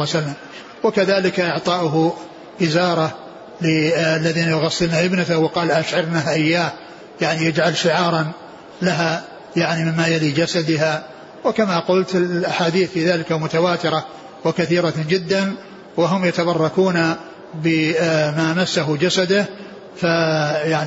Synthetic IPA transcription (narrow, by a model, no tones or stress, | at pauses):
salːam | wɪkaðaːlɪkaʔɪʕt̪ˤɑːʔʊɦ | ʔɪzɑːɾˤɑ | lɪalːaðiːnajʊɣɑsːɪlːnaʔɪbnat̪ahwɪqɑːlʔaʃʕɑɾnahʔɪjːaːh | jaʕnijad͡ʒʕalʃɪʕɑːɾˤɑn | laɦa | jaʕnimɪmːajaliːd͡ʒasad̪ɪɦa | wɪkamaqʊlt̪ɪlʔaħaːd̪iːθfiːðaːlɪkamʊt̪awaːt̪ɪɾˤɑ | wɪkaθiːɾɑd͡ʒɪd̪ːan | wɪɦʊmjat̪abɑrˤːɑkuːna | bɪmaːmasːaɦʊd͡ʒasad̪ah | fajaʕni